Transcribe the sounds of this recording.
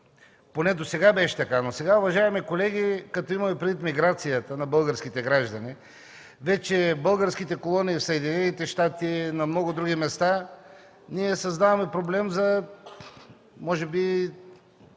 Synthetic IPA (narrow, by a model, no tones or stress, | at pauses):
ponɛd̪osɛɡabɛʃɛ̥t̪ɐkanosɛɡaʊvɐʒaɛmikolɛɡikɐt̪ɔimɐmɛpɾʲid̪vit̪miɡɾat̪sijət̪ənɐbɤlˠɡəɾskit̪ɛɡɾaʒd̪ɐni | vɛt͡ʃɛbɤlˠɡəɾskit̪ɛkolˠoniːfsɐɛd̪inɛnit̪ɛʃt̪at̪inɐmnɔɡʊd̪ɾuɡimɛst̪a | niɛsɐzd̪avɐmɛpɾoblɛmzɐ | mɔʒɛbi